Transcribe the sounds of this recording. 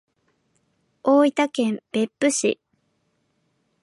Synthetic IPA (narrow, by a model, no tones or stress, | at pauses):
oːit̪akẽ̞mb̥e̞pːɯ̟ɕḭ